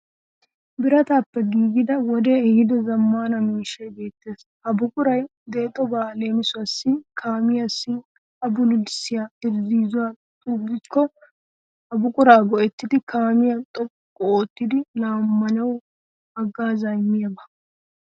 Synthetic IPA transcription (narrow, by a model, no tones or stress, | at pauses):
bɪɾɐt̪aːpːɛɡiːɡɪd̪ɐwɔd̪eɛhɪd̪ɔzɐmːaːnɐmiːʃɛjbe̞ːt̪ːe̞ːs | ɐbʊkʼʊɾɐj | d̪eːt̪ʼːɔbaːle̞ːmɪsʊɐsːɪkʰaːmɪjɐsːɪ | ɐbʊlʊdsɪjaɪɾziːzʊwa | t̪ʼuːbɪkːɔ | ɐbʊkʼʊɾaːɡɔʔɛt̪ːɪd̪ɪkʰaːmɪjɐt̪ʼɔpʼːkʼɔoːt̪ːɪd̪ɪlaːmːɐlɐw | ɐɡːaːzajmːɪjɐbɐ